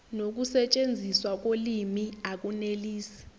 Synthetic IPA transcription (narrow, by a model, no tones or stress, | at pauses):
nok̬usɛt͡ʃʼend͡zʱiswak̬olimiak̬ʼuneliːsi̥